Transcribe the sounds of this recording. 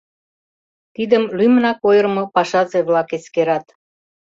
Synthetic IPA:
t̪id̪əmlymnɑkojərmŏpɑʃɑt͡seβlɑkeskeɾɑt̪

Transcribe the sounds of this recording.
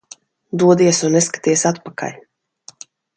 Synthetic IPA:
d̪uɔd̪iɛsunːeskḁt̪iɛsat̪paka̰lʲ

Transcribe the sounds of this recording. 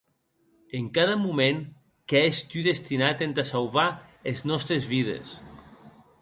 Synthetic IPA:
eŋkaðamumẽŋ | keeʃt̪yðest̪inat̪ent̪asalβaeznɔst̪ɾezβiðḛs

